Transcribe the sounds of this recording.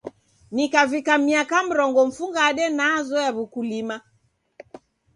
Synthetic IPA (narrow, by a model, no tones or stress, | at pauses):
nikavikamiakam̩ɾɔŋɡɔm̩fuŋɡaːɗɛnazɔjaβukulima